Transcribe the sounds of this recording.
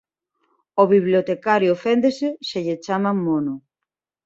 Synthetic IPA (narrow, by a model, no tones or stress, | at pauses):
oβiβljot̪ekaɾjoofend̪eseʃeʎet͡ʃamamonʊ